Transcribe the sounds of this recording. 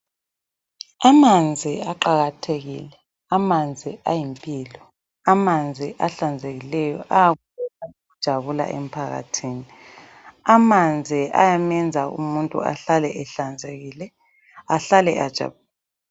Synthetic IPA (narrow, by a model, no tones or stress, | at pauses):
amand͡zʱiaǃaɣatʰeɣḭlɛ | amand͡zʱiajimpʼiːlɔ | amand͡zʱiʔaɬand͡zʱeɣilɛjɔ̰ʔaaɣuβɛsaoɣud̥ʒ̥ʱaβula̰ʔḛm̩pʰaɣa̰tʰiːni | amand͡zʱiʔa̰jamɛnd͡zʱaṵmuntʼṵa̰ɬalɛʔɛɬand͡zʱeɣiːlɛ | aɬalɛad̥ʒ̥ʱa̰βulːla